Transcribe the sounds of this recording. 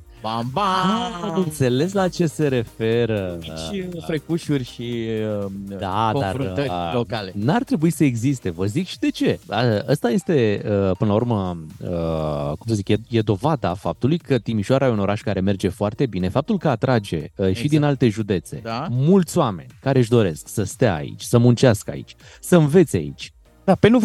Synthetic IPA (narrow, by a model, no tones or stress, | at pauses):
babamɨnt̪se̞le̞s̬lat͡ʃe̞se̞ɾe̞fe̞ɾəʃifɾekuʃurʲʃiəd̪ad̪arlokalenart̪ɾe̞buisəe̞ɡzist̪e̞vəzikʃid̪e̞t͡ʃe̞aʔəst̪aje̞st̪e̞əpɨnəlaurɾməəkumsəzikje̞d̪o̞vad̪a̰fap̚t̪ulujkət̪imiʃoaɾajeuno̞ɾaʃkaɾe̞me̞rd͡ʒe̞foart̪e̞bine̞fap̚t̪ulkəat̪ɾad͡ʒe̞̰əʃid̪inalt̪e̞ʒud̪e̞t̪se̞̰amult̪sʲoame̞̰nʲkaɾe̞ɨʃd̪o̞ɾe̞sksəst̪aa̰ḭt͡ʃʲsəmunt͡ʃaskəa̰ḭt͡ʃʲ | səɨnve̞t̪sʲa̰ḭt͡ʃʲ | d̪apenu